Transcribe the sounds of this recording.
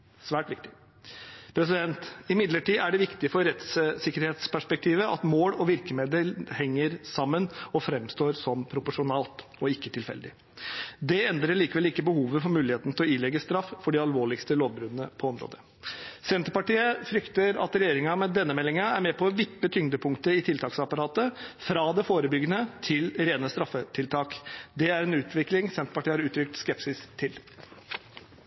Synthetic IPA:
sʋæːʈʋɪk̚t̪ɪ | pʰɾɛs̬ɪd̪ɛnt̪ɪmɪd̪ləʈiːʔæɖɛʋɪkt̪ɪfɔɾɾɛt̪ssɪkəɾheːt̪spʰæʂpɛk̚t̪ʰiːʋəʔɑt̪moːlɔʋɪɾkəmeːd̪əlhɛŋːəɾsɑmːənɔfɾɛmst̪oːɾsɔmpʰɾʊpʊʂʊnɑːlt̪ | ɔɪkːət̪ʰɪlfɛ̰ld̪ɪ | d̪ɛɛnd̪ɾəɭiːkəʋɛlːiːkəbəhuːʋəfɔɾmʉːlɪheːt̪nət̪ɪlɔiːlɛɡːəst̪ɾɑfːfɔɖɪɑlʋoːɭɪkst̪əloːʋbɾʉːnənəpʰɔɔmɾo̰ːd̪ə | sɛnt̪əpɑʈiːəfɾʏkt̪əɾɑ̰t̪ɾɛjeːɾɪŋɑmɛd̪ɛnːəmɛlːɪŋɑæɾmɛpʰɔʋɪpːət̪ʰʏŋd̪əpʰʊŋkt̪əɪt̪ʰɪlt̪ʰɑːksɑpɑɾɑːt̪əfɾɑːd̪ɛfoːɾəbʏɡːənət̪ʰɪlɾeːnəst̪ɾɑfːət̪ʰɪlt̪ʰɑːkd̪ɛæɾɛnʉːt̪ʰʋɪklɪŋsɛnt̪ə̥pɑʈʰiːəhɑɾʉːt̪ʰɾʏk̚t̪skɛpsɪst̪ʰːɪl

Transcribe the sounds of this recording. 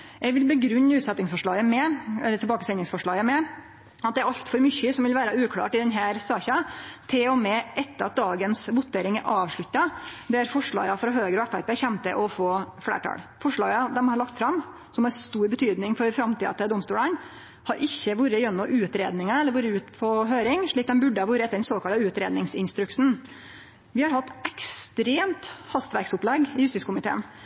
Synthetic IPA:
ʔɛɡʋɪlbəɡɾʉnːʉːt̪sɛt̪ːɪŋsfɔʂɭɑːɡəmɛɛlːət̪ʰɪlbɑːkəsɛnɪŋsfɔʂɭɑːɡəmɛ | ɑt̪̚d̪ɛæɾɑʎt̪fɔɾmʏçːəsɔmʋɪlʋæːɾɑʉːkʰlɑ̰ːʈɪd̪ɛnɦæːɾsɑːçɑt̪ʰɪlɔmɛːʔɛt̪ːəɑt̪̚d̪ɑːɡənsʋʊt̪ːeːɾɪŋæɾʔɑːʋʂɭʉt̪ːɑd̪ɛɾfɔʂɭɑ̰ːɡɑfɾɑɦøːɡəɾɔɛfæɾpeːçɛmt̪əʔɔfoːfɽæ̰ːʈʰɑ̰lfɔʂɭɑːɡəd̪ɛmhɑɾɭɑkt̪fɾɑmː | sɔmɑɾst̪uːɾbət̪ʰyːd̪nɪŋfɔɾfɾɑmt̪iːd̪ɑ̰t̪d̪ɔmst̪ṵːlən | hɑɾʔɪçːəʋuːɾəjɛnːɔʔʉːt̪ɾeːd̪nɪŋənɛlːəɾʋuːɾəʉːt̪pʰɔɦøːɾɪŋʂɭiːk̚d̪ɛmbʉɖːəɑʋuːɾəɛt̪ːəɖɛnsoːkɑlt̪ɑʉːt̪ɾeːd̪nɪŋsɪnst̪ɾʉksn̩ | ʋɪhɑɾhɑt̪ːɛkst̪ɾeːmt̪hɑst̪ʋæɾksʊplɛɡɪjʉst̪iːskʰʊmɪt̪ʰḛːn

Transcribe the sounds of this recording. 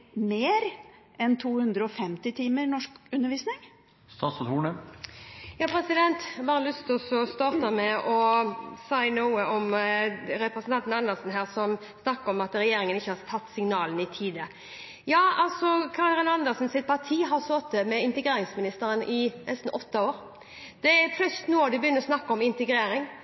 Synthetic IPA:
meːɾ | ɛnt̪ʰuːhʉnd̪ɾəɔfɛmt̪ɪt̪ʰiːməɾnɔʂkʉnːəɾʋiːsnɪŋ | st̪ɑːsɔt̪uːɳə | jɑːpʰɾɛsɪd̪ɛnt̪bɑːɾəlʉst̪ɪlsɔst̪ɑːʁt̪əmɛʔɔsæɪnuːəɔm | ɾɛpɾəsnt̪ʰɑnt̪n̩ɑnd̪əʁsn̩ɦæːʁsɔm | snɑkːəɾɔmɑt̪ɾɛjeːɾɪŋənɪçːəhɑt̪ʰɑt̪ːsɪŋnɑːlənɪt̪ʰiːd̪ə | jɑːɑlsɔkʰɑɾəɾɪnɑnd̪əsn̩sɪt̪̚pʰɑʁt̪ʰiːɦɑʁsoːt̪̚əmɛɪnt̪əɡɾeːɾɪŋsmɪnɪst̪əɾənʔɪnɛ̰st̪n̩ʔɔt̪ːɑoːɾ | d̪̥ɛɛɾfʰlœst̪nuːɑd̪ɪbjʏnːəɾɔsnɑkːɔmɪnt̪əɡɾeːɾɪŋ

